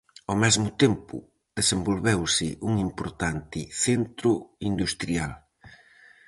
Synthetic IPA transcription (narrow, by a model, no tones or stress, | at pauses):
omɛzmʊt̪empʊ̰ | ðesembolβewsɪʔuŋimpoɾt̪ant̪ɪθent̪ɾʊind̪ust̪ɾial